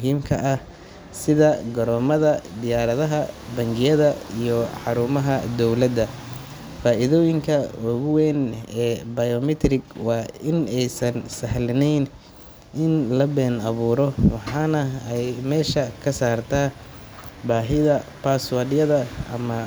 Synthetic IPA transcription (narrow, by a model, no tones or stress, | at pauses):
mʊɦiːmkʰɐʔɐh | sɪðɐɡɐɾɔːmɐðɐd̪ɪjaːɾɐðɐɦɐbɐŋɡɪjɐðɐijɔħɑɾuːmɐɦɐd̪ɔwlɐd̪ɐ | faːʔɪðɔːjɪŋkʰɐɔɣʊwɛnɛːbɐjɔmɪt̪ʰɾɪɡwɑːɪnɛjsɐnsɐɦlɐnɛjn | ʔɪnlɐbɛːnɐβuːɾɔwɑħɑːnɐɛjmɛːʃɐkʰɐsaːrt̪ʰaː | baːɦɪðɐpʰaswɐdjɐðɐʔɐ̰mɐ